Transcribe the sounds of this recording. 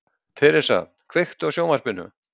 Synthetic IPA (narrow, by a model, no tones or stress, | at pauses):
t̪ʰɛɾɪ̥sa̰t̪kʰvext̪ɔɣsjoːwmaɾ̥pɪnːʏ̰